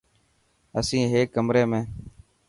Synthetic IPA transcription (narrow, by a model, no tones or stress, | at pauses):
əsĩːɦeːkːəmɾeːmẽː